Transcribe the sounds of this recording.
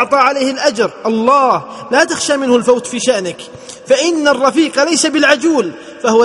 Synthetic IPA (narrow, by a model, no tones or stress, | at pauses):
ʕt̪ˤɑːʕalaːhɪlʔad͡ʒɾˤʔɑlˤːɑːhlat̪axʃaːmɪnhʊlfawt̪fiːʃaʔnɪk | faʔɪnːarˤːɑfiːqɑlajsabɪlʕad͡ʒuːl | fahʊwa